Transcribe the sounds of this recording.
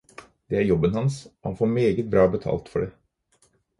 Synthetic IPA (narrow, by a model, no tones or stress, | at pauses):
d̪̥ɛæɾjɔbənhɑnsɔhɑ̰nfoːɾmeːɡət̪̚bɾɑːbət̪ʰɑ̰ːlt̪fɔɖeː